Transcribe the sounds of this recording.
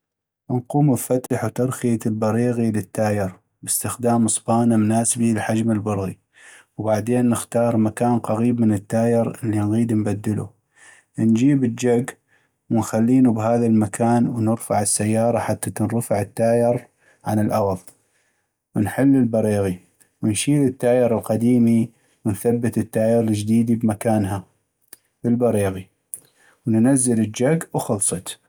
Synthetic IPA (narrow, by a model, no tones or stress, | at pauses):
nquːmbfat̪aħwt̪ɑɾxijat̪lbɑɾiːɣilɪt̪ːaːjɪɾ | bɪst̪ɪxd̪aːmɨsˤbɑːnamnaːsbilħad͡ʒməlbʊɾˤɣi | wbaʕd̪eːnːɪxt̪ɑːɾˤmakaːnqɑɣiːbmənət̪ːaːjɪɾɪlːinɣiːd̪nbad̪ːɪlṵ | nd͡ʒiːbəd͡ʒaɡ | wɪnxalːiːnubɦaːðalmakʰaːnwnɪɾfaʕɪsːajːɑːɾˤɑħat̪ːatnɾfaʕət̪ːaːjɪɾ | ʕanɪlʔɑɣðˤ | wənħɪlːɪlbɑɾiːɣi | wɪnʃiːlɪt̪ːaːjɑɾˤɪlqɑd̪iːmi | wənθabːɪt̪ət̪ːaːjɪɾld͡ʒd̪iːd̪ibmakaːnɦa | bəlbɑɾiːɣi | wnnazːɪləd͡ʒaɡwxʊlsˤɑt̪